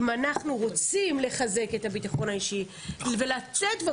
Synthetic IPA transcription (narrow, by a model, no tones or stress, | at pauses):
manaχnuʁo̞t͡simle̞χaze̞ke̞tabitaχo̞naiʃi | ve̞latetve